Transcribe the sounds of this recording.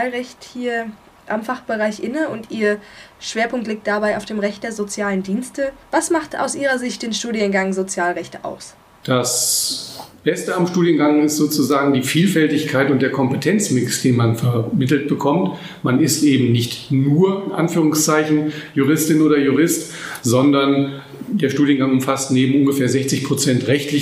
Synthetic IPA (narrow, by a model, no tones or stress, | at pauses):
lʁɛçthiːɐ | ʔamfaχb̥əʁaɪçʔɪnəʊntʔiːɐʃv̥eːɐpʰʊŋk̚tliːk̚td̥abaɪʔaʊfd̥eːmʁɛçt̚d̥eːɐzot͡sjaːləndiːnstəvasmaχtʔa̰ʊsʔiːʁɐzɪçt̚d̥eːnʃtuːdjənɡaŋzot͡sjaːlʁɛçtəʔa̰ʊs | d̥as | b̥ɛstəamʃtuːdjənɡaŋɪstz̥oːt͡suzaːɡŋ̩diːfiːlfɛltɪçkʰaɪtʊnt̚d̥eːɐkʰɔmpətʰɛnt͡smɪksd̥eːnmanfɛɐmɪtl̩t̚b̥əkʰɔmt | manɪstʔeːbm̩nɪçtnuːɐɪnʔanfyːʁ̞ʊŋst͡saɪçn̩juʁ̞ɪstɪnoːdɐjuʁɪst | zɔndɐn | deːɐʃtuːdijənɡaŋʊmfastneːbm̩ʔʊnɡəfeːɐzɛçt͡sɪçpʁ̥ot͡sɛntʁɛçtlɪ